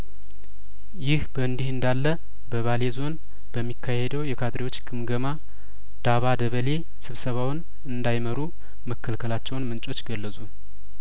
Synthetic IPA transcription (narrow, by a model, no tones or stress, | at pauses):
jɪhbəɨnd̪ihɨnd̪alːə | bəβale̞zo̞n | b̥əmːikʰːahed̪əwjɛkʰad̪ɾiwo̞t͡ʃːɡɨmɡəma | d̪̥aβad̪əβəle̞ | sɨβsəβawɨn | ɨnd̪ajməɾu | məkʰːəlkʰəlat͡ʃːɛwnmɨnt͡ʃʼo̞t͡ʃːɡəlːəsʼu